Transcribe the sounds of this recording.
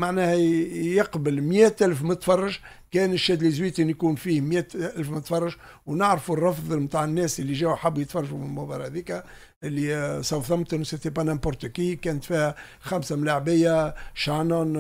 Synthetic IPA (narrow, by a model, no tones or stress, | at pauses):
maʕnæːhjɑqbəlmjæːt̪ʔælfmət̪fɑrˤːɑʒ | kæːnɪʃːæd̪lizwiːt̪injkuːnfiːhmjæːt̪ʔælfmət̪fɑrˤːɑʒ | wnɪʕɾfurˤːɑfðˤəmt̪aːʕənːæːsʔɪlːiʒæːwħabːjət̪fɑrˤːɑʒumɪmʊbɑːɾˤɑhæd̪iːkæ | ʔɪlːisɑwθɑmt̪ʊnsɪt̪epɑnæmpʊɾt̪əkikæːnət̪fiːhæ | xæmsamlaʕbɪjːaʃɑnon